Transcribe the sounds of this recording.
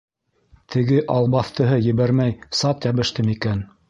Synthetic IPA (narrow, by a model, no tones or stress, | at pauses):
t̪ʰɘ̆ɡɘʔɑlˠbɑθt̪ɤ̆ɦɤjɘ̆βæɾmæjsɑt̪jɑβɘ̆ʃt̪ɘmikæn